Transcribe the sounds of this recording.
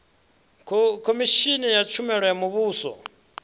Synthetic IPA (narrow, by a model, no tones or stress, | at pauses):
kʰomiʃinɛjat͡ʃʰumɛɺwɛamuβuːsɔ̰